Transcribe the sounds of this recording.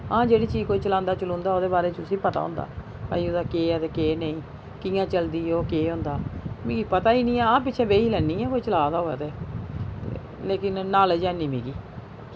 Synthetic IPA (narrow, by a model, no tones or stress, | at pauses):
ãːd͡ʒeːɽiːt͡ʃiːkoːiːt͡ʃəlãːnd̪aːt͡ʃəlõːnd̪aːoːd̪eːbaːɾeːt͡ʃʊsĩːpət̪a̰ːõ̰ːnd̪a̰ː | pa̰ːiːod̪aːkeːɛt̪eːkeːneĩː | kɪːjãːt͡ʃəld̪iːoːkeːɦõnd̪aːmĩːɡiːpət̪aːiːnĩːɛːãːp̬ɪtːʃʰɛ̃ːʋeːiːlɛːnːĩːɛ̃ːkoːiːt͡ʃəlaːd̪aːoːɛ̰ːt̪ḛː | leːkɪnːaːld͡ʒɛːnĩːmḭ̃ːɡiː